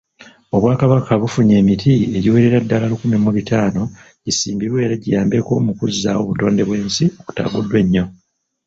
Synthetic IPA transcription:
o̞βwaːkaβakʰaβufuɲe̞ːmitʰieɟiwe̞ːɾeɾadːalalukumimːuβitaːno̞ | ɟisiːmbiɾwe̞ːɾaɟijaːmbeko̞mukuzːawo̞βuto̞ːnde̞βwe̞ːnsio̞ku̥ta̰ːɡudːwe̞ɲːo̞

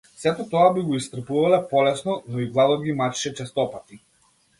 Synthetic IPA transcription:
sɛt̪ɔt̪ɔabiɡɔist̪r̩puvalɛpɔlɛsnɔnɔiɡlˠad̪ɔɡimat͡ʃʃɛt͡ʃɛst̪ɔpat̪i

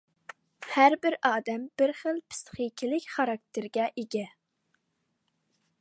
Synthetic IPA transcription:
hæɾbɪɾɑːd̪ɛmb̥ɪɾχəlˠpʰɪ̥st̪χikʲʰilɪkʲχɑɾɑk̚t̪ʰɪɾɡʲɛʔeɡʲɛ

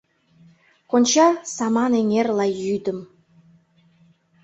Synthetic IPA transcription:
konʲt͡ɕɑsɑmɑneŋerlɑjyd̪ə̆m

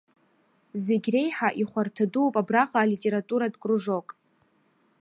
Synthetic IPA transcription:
zeɡʲre̞jħaʔiχʷartʰaduwpʼabraqʼaːlitʼe̞ɾatʼuɾadkʷʼruʐo̞kʼ

